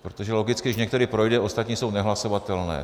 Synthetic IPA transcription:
pɾot̪oʒɛlo̞ɡɪt͡skɪɪʃɲɛkt̪ɛɾɪpɾo̞jdɛʔo̞st̪at̪ɲiːso̞wnɛɦlaso̞vat̪ɛlnɛ̰ː

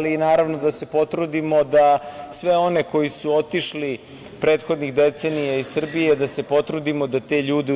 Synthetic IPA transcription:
liːnaːɾaʋno̞d̪ase̞po̞t̪ɾud̪imo̞d̪asʋe̞o̞ne̞ko̞jisuo̞t̪iʃli | pɾe̞ːt̪xo̞d̪nixd̪e̞t̪se̞nijaisr̩bijed̪asepo̞t̪ɾud̪imo̞d̪at̪eʎuːd̪e

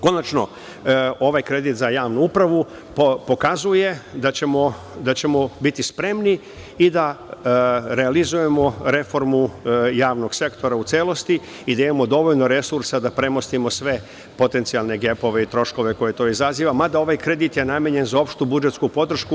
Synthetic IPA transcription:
ko̞nat͡ʃno̞̰ | o̞ʋajkɾe̞d̪it̪zajaːʋnuupɾaʋu | po̞kazuje̞d̪at͡ɕemo | d̪at͡ɕe̞mo̞bit̪ispɾe̞mni | id̪a | ɾe̞alizuje̞mo̞ɾe̞fo̞ɾmujaːʋno̞ɡ̥se̞kt̪o̞ɾaut̪seːlo̞st̪i | id̪aimamo̞d̪o̞ʋo̞ʎno̞ɾe̞suɾsad̪apɾe̞mo̞st̪imo̞sʋe̞ | po̞t̪e̞nt̪sialˠne̞ɡe̞po̞ʋe̞it̪ɾo̞ʃko̞ʋe̞ko̞jet̪o̞ːizaziːʋamad̪ao̞ʋajkɾed̪it̪je̞nameɲe̞nzao̞pʃt̪ubud͡ʒet̪skupo̞d̪r̩ʃku

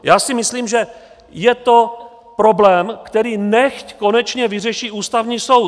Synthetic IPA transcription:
jaːsɪmɪsliːmʒɛ | jɛt̪o̞ | pɾo̞blɛːmkt̪ɛɾiːnɛxcko̞nɛt͡ʃɲɛvɪr̝ɛʃiuːst̪avɲiːso̞w

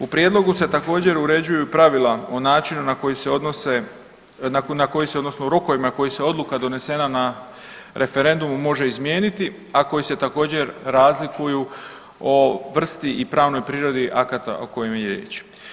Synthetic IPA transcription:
upɾjed̪lˠo̞ɡuse̞t̪ako̞ːd͡ʑe̞ɾuɾe̞d͡ʑujupɾaʋilao̞naːt͡ʃinunako̞jiseod̪nose | nanako̞jiseod̪no̞snoɾoko̞ʋimako̞jiseo̞d̪lukad̪o̞ne̞se̞nana | ɾʔe̞fe̞ɾe̞nd̪umumo̞ʒe̞izmjeːnit̪i | ako̞jise̞t̪ako̞ːd͡ʑe̞ɾːaːzlikuju | oʋr̩st̪iipɾaːʋno̞jpɾiːɾo̞d̪iʔakat̪a̰oko̞jomjeɾjḛːt͡ʃ

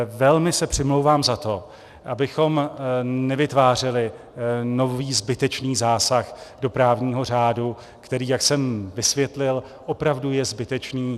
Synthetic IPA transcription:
vɛlmɪsɛpr̥ɪmlo̞wvaːmzat̪o̞ | ʔabɪxo̞mnɛvɪt̪vaːr̝ɪlɪ | no̞viːzbɪt̪ɛt͡ʃniːzaːsaxdo̞pɾaːvɲiːɦo̞r̝aːdu | kt̪ɛɾiːjaksɛmvɪsvjɛt̪lɪl | ʔo̞pɾavdujɛzbɪt̪ɛt͡ʃniː

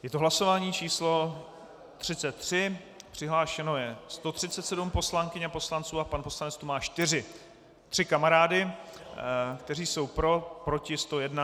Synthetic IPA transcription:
jɛt̪oɦlaso̞vaːɲiːt͡ʃiːslo̞ | t̪r̥ɪt͡sɛt̪ːr̝̥ɪ | pr̝̥ɪɦlaːʃɛno̞jɛst̪o̞t̪r̝̥ɪtt͡sɛt̪sɛdumpo̞slaŋkɪɲapo̞slant͡suːapanpo̞slanɛt͡st̪omaːʃt̪ɪrɪ | t̪r̥ɪkamaɾaːdɪ | kt̪ɛriːso̞wpɾo̞pɾo̞cɪst̪o̞jɛdna

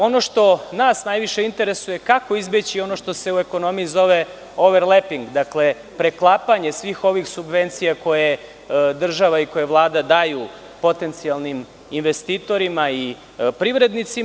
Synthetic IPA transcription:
o̞no̞ʃt̪o̞naːsnajʋiʃeint̪e̞ɾesuje̞kako̞izbet͡ɕio̞no̞ʃt̪o̞se̞ue̞ko̞no̞mijizo̞ʋe̞ | oʋeɾlepiŋɡd̪akle̞ | pɾeklˠapaɲe̞sʋiːxo̞ʋixsubʋe̞nt̪sijako̞je | d̪r̩ʒaʋaiko̞jeʋlˠaːd̪ad̪aju | po̞t̪e̞nt̪sijalˠnim | inʋest̪iːt̪o̞ɾimai | pɾivɾe̞d̪nit̪sim

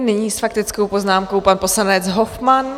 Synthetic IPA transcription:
nɪɲiːsfakt̪ɪt͡skowpoznaːmko̞wpanpo̞slanɛt͡sɦofman

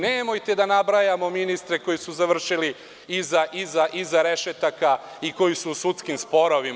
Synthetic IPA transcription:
neːmo̞jt̪ed̪anabɾajamo̞minist̪ɾeko̞jisuzaʋr̩ʃili | izaʔizaʔizaɾe̞ʃet̪aka | iko̞jisuːsut̪skimspo̞ɾoʋim

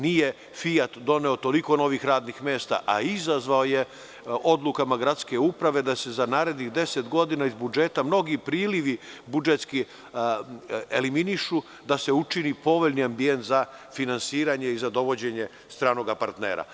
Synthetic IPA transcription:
nije | fijat̪d̪o̞ne̞ot̪o̞liko̞no̞ʋixɾaːd̪nixmeːst̪a̰ʔaizazʋaoje | o̞d̪lˠukamaɡɾat̪ske̞upɾaʋe̞d̪ase̞zanaːɾe̞d̪niɣd̪e̞se̞t̪ɡo̞d̪inaizbud͡ʒe̞t̪amno̞ɡipɾiːliʋibud͡ʒet̪ski | eliminiʃu | d̪ase̞ut͡ʃinipo̞ʋo̞ʎniambie̞nt̪zafinansiːɾaɲe̞izad̪o̞ʋo̞d͡ʑe̞ɲe̞ | st̪ɾaːno̞ɡapa̰ɾt̪nḛːɾa̰

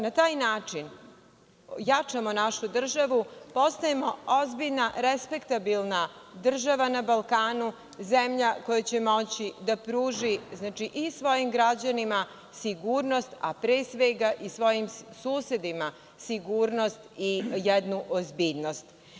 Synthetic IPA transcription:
nat̪aːjnaːt͡ʂin | jat͡ʂamo̞naʃud̪r̩ʒaʋupo̞st̪ajemo̞ozbiʎnaɾespe̞kt̪abilˠnad̪r̩ʒaʋanabalkaːnu | zemʎako̞jat͡ɕemo̞t͡ɕid̪apɾuːʒiznaːt͡ʃiʔisʋo̞jimɡɾad͡ʑanima | siɡuɾno̞st̪a̰pɾesʋeɡaʔisʋo̞jimsuːsje̞d̪ima | siɡuːɾno̞st̪ijed̪nuʔozbiːʎno̞st̪

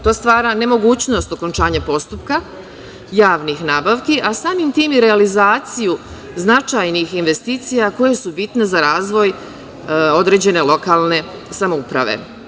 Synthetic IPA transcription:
t̪o̞ːst̪ʋaːɾane̞mo̞ɡuːt͡ɕno̞st̪o̞ko̞nt͡ʃaːɲapo̞st̪upka | jaːʋnixnaːbaʋkiʔasaːmimt̪iːmjeɾealizaːt̪siju | znat͡ʃajnixinʋe̞st̪iːt̪sijako̞je̞subit̪nezaɾaːzʋo̞j | o̞d̪ɾe̞d͡ʑe̞ne̞lˠo̞kaːlˠne̞ | samoupɾa̰ʋḛ

